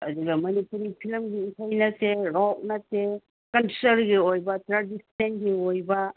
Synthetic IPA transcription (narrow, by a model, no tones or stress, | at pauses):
ɐduɡɐmɐnipuɾipʰilmɡiisajnɐseɾɔk̚nɐte | kɐnsɐɾɡiojbɐtɾadisnenɡiojbɐ